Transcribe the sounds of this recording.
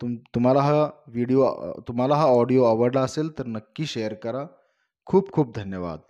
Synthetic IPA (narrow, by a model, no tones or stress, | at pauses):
t̪umt̪um̤alaɦaʋiɽijot̪um̤alaɦaɔɽijoəʋəɾlaəseːlt̪əɾnəkːiːɕejəɾkəɾa | kʰuːb̚kʰuːp̚d̪ʱənjəʋa̰d̪̚